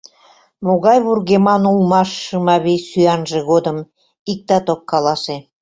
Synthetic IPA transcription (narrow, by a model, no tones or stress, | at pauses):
moɣɑjβurɣemɑnulmɑʃːɯmɑβesyɑnʒĕɣod̪əm | ik̚t̪ɑt̪okːɑlɑse